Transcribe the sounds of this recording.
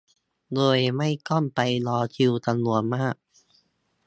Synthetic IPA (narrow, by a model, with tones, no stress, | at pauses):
d̪oː˧jma˥˩jkɔ˥˩npa˧jlɔː˧k̪ʰi˧wt̪a˧mnu˨˩˦ənmaː˥˩k̚